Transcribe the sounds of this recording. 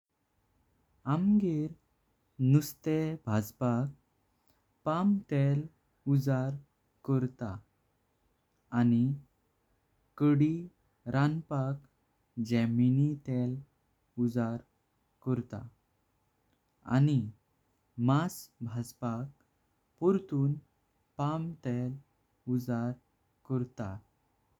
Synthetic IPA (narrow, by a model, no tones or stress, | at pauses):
amɡeɾ | nust̪ebʱad͡zpak̚ | pamt̪el | ud͡zaɾ | kəɾt̪a | ani | kəɽi | ɾʔanpak | d͡ʑɛminit̪ɛl | ud͡zaɾ | kəɾt̪a̰ | a̰ni | masbʱad͡zpak̚ | puɾt̪uːn | pamt̪ɛl | ud͡zaɾ | kəɾt̪a̰